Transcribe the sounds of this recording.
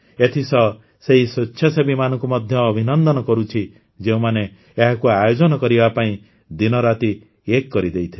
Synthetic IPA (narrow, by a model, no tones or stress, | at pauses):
et̪ʰisɔ | seɦisɔtːʃʰɔsebimanɔ̃ŋkumɔd̪ʱjɔːbʱinɔnd̪ɔnɔkɔɾut͡ʃʰi | d͡ʒeũmaneː | ɦakuajod͡ʒɔnɔkɔɾibapaĩ | d̪inɔɾat̪i | ekːɔɾid̪ejt̪ʰi